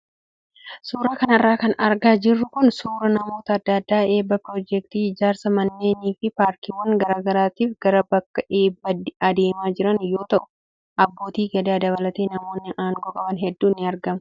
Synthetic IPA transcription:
suːɾaːkɐnɐrːaːkɐnɐɾɡaːd͡ʒɪrːʊkʊnsuːɾɐnɐmo̞ːt̪ɐːd̪ːɐːd̪ːaːe̞ːbːɐpɾɔd͡ʒɛk̚t̪iːɪd͡ʒaːɾsɐmɐnːe̞ːniːfɪpaːɾkiwɐŋɡɐɾaːɡɐɾaːt̪iːfɡɐɾɐbɐkːɐʔeːbːɐdɐd̪e̞ːmaːd͡ʒɪɾɐnjo̞ːt̪ɐʔʊ̥ | ʔɐbːo̞ːt̪iːɡɐd̪aːd̪ɐbɐlɐt̪e̞ːnɐmo̞ːnːɪʔaːŋɡɔːkʼɐbɐnɦɛd̪ːuːnːɪɐɾɡɐmɐ

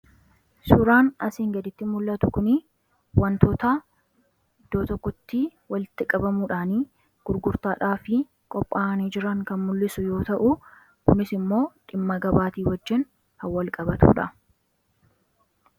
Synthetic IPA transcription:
sʊɾaːnɐsiːŋɡɐd̪ɪt̪ːɪmʊlːɐt̪ʊkʊnɪ | wɐnt̪oːt̪ɐ | ɪd̪̥oːt̪ɔkːɔt̪ːiːwɐlɪt̪ːɪkʼɐbɐmuːᶑaːniː | ɡ̥ʊɾɡʊɾt̪aːᶑaːfɪ | kʼɔpʼːaːniːd͡ʒɪɾɐŋkɐnmʊlːɪsʊjo̞ːt̪ɐʔʊ | kʊnɪsɪmːo̞ːᶑɪmːɐɡɐbaːt̪iːwɐd͡ʒːɪn | hɐwːɐlkʼɐbɐt̪ṵːᶑɐ

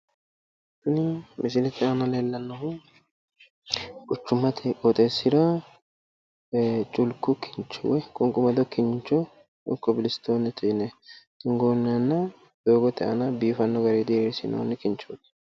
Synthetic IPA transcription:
sʊnɪmɪs̬ɪlɛt̪ːɛɐnɐleːlːɐnːɐhʊ | kʼʊt͡ʃːʊmɐt̪ʰɛkʼɔt̪ʼeːsːɪɾɐ | t͡ʃʼʊlkːʊkʰɪ̥nt͡ʃːɔ̰wɛkʼʊŋkʼʊmɐd̪ɔkːɪɲt͡ʃːɔ | ʊkːɔbɪlɪst̪oːnɛt̪ʰɪnɛt̪ɪŋɡoːnːɐnːɐ | d̪oːɡɔt̪ːɛʔɐ̰nɐbiːfɐnːɔɡɐɾed̪eɾsɪ̰no̰ːnːɪkɪnt͡ʃːoːd̪

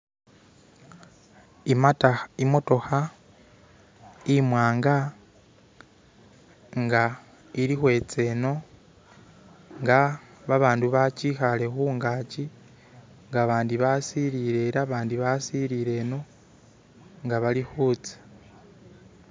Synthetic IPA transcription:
imataimo̞to̞xa | imwaːŋɡa | ŋɡa | iɾixwe̞t͡se̞no̞ | ŋɡaβaβaːnduβat͡ʃixale̞xuːŋɡaːci | ŋɡaβaːndiβasiɾiɾe̞ɾaβaːndiβasiɾiɾe̞no̞ | ŋɡaβalixuːt͡se̥

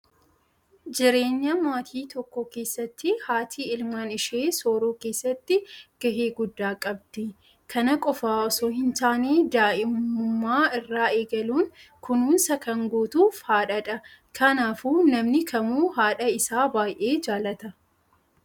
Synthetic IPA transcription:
d͡ʒɪɾe̞ːɲːɐmaːt̪ʰiːt̪ɔkːɔke̞ːsːɐt̪ːɪhaːt̪ʰiːɪlmaːnɪʃeːso̞ːɾuːke̞ːsːɐt̪ːɪɡ̥ɐɦeːɡʊd̪ːaːkʼɐbd̪̥ɪ | kʰɐnɐkʼɔfaːɔsoːɦɪnt̪aːneːd̪aːʔɪmʊmʊmːaːɪrːaːe̞ːɡɐluːŋkʊnuːnsɐkɐŋɡoːt̪uːfhaːᶑɐᶑɐkʰɐnaːfuːnɐmnɪkʰɐmuːhaːᶑɐɪsaːbaːjʔeːd͡ʒaːlɐt̪ɐ

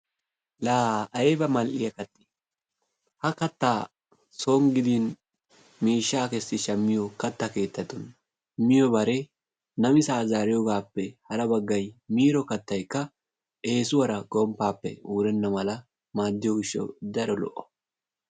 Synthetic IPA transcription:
laːɐebɐmɐlʔɪjɐkɐt̪ːɪ̥ | hɐkɐt̪ːaː | soːŋɡɪd̪iːn | miːʃːaːkɛsːɪʃɐmːɪjɔkɐt̪ːɐke̞ːt̪ːɐt̪ːɔn | mɪjɔbɐɾe | nɐmɪsaːzaːɾɪjɔɡaːpːɛhɐɾɐbɐɡːɐjmiːɾɔkɐt̪ːɐjkːɐ | ʔe̞ːsʊwɐɾɐɡɔmpːaːpːɛ̰uːɾɛnːɐmɐlɐ | maːd̪ːɪjɔɡɪʃːɐ̰wd̪ɐɾɔlɔ̰ʔːɔ̥

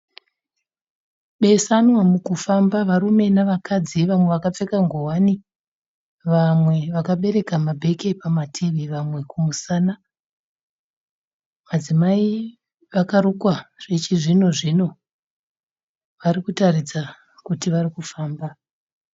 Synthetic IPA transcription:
ɓe̞sanwamukufambaʋaɾume̞naʋakad͡ziʋamwe̞ʋakap͡fe̞kaŋɡowani | ʋamwe̞ʋakaɓe̞ɾe̞kamabʱe̞ke̞pamatʰeʋeʋamwe̞kumusaːna | mad͡zimai | ʋakaɾukwaʐ̥et͡ʃiʐino̞ʐino̞ | ʋaɾikutaɾid͡za | kutiʋaɾikufaːmba

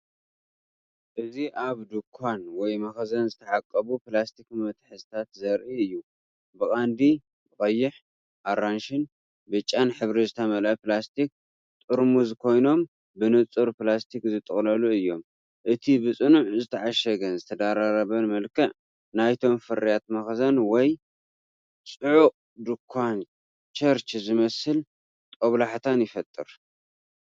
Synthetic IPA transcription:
ʔɨziʔaβd̪ukʰːanwɔjmɐxɐzɐnzɨt̪ʰɐʕakʼːɐβuplast̪ʰikmɐt̪ʰħɨzɨt̪ʰat̪zɐɾʔiɨjːu | bɨkʼand̪i | bɨkʼɐjːɪħ | ʔaɾanʃɪn | bɨt͡ʃʼːanħɨβɾizɨt̪ʰɐmɐlʔɐplast̪ʰik̚ | t̪ʼɨɾmuzkʰo̞jno̞m | bɨnɨt͡sʼɨɾplast̪ʰikzɨt̪ʼɨχʼlɐluɨjːo̞m | ʔɨt̪ʰibɨt͡sʼɨnuʕzɨt̪ʰɐʕaʃɐɡɐnzɨt̪ʰɐd̪aɾaɾɐβɐnmɐlkʰɐʕ | najt̪ʰo̞mfɨrijat̪mɐxzɐnwɔj | t͡sʼɨʕuʔʼ | d̪ɨkʰːan | t͡ʃʰɐɾt͡ʃzɨmɐsɨl | t̪ʼoβlaħt̪ʰanjɪfɐt̪ʼːɨɾ

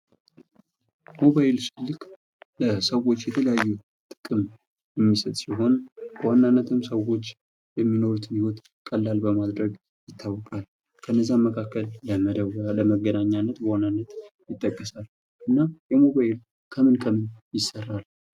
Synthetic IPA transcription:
mo̞βajɪlsɨlːɨk | ləsəwo̞t͡ʃːjɛt̪ʰələjajːu | t̪ʼɨ̥kʼɨm | jɛmːisət̪ʼsiɦo̞nb̥əwanːanːət̪ʰɨmsəwo̞t͡ʃː | jɛmːino̞ɾut̪ʰniwɔt̪ | kʼəlːalbəmad̪ɾəɡ | jɪt̪ʰːawːəkʼal | kʰənːəzːaməkʰakːəljaməd̪ələməɡːənaɲːanːət̪bəwanːanːət̪jɪt̪ʼːəkʼːəsal | ʔɨnːajɛmo̞βajɪl | kʰəmɨnkʰəmɨnjɪsərːal

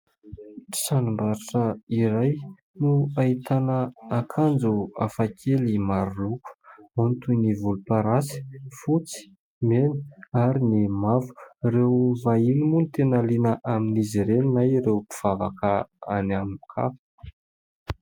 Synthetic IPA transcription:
sanumbaɾaʈ͡ʂəiɾaj | nuait̪anəːkʰand͡zuafakʰelimaɾuluku̥mont̪univulupaɾasi̥fut͡si̥ | meni̥aɾinimavu̥rewvailimunit̪enalinəʔaminiziɾeninajrewpi̥v̥ava̰kəanaminikʰa̰f

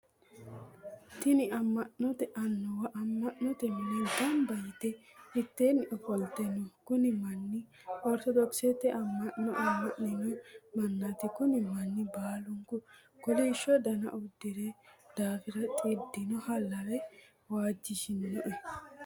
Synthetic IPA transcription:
t̪ɪnɪɐmːɐʔɔt̪ɛʔɐnːɔwɐʔɐmːɐʔːɔt̪ɛmɐlɐd̪ɐmbɐjɪt̪ɛɪt̪ːeːnɪʔɔfɔlt̪ɛnːɔkʊnɪmɐnːɪ | ɔɾt̪ɔd̪ɔksɛt̪ːɛʔɐmːɐʔːɔʔɐmːɐʔnɪnɔmɐnːɐt̪ɪkʊnɪmɐnːɪbaːlʊŋkʊ | kʊliʃːɔd̪ɐnɐ̰ʔʊd̪ːɪɾed̪̥aːfɪɾɐt̪ʼɪd̪ɪnɔhɐlːɐwɛ | waːd͡ʒːɪʃɪnːɔʔɛ

